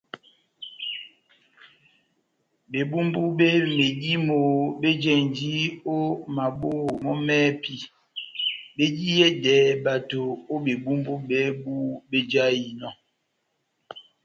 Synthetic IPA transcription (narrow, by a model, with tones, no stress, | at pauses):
be˨bu˦mbu˦be˦me˨di˦mo˨be˦d͡ʒɛ˨n˨d͡ʒi˦o˦ma˨boː˦˨mɔ˦mɛː˦pi˦ | be˦d͡ʒi˦jɛ˦dɛː˨˦ba˨to˨o˦ɓe˨bu˦mbu˦bɛ˦bu˦be˦d͡ʒa˦ji˨nɔ˦˨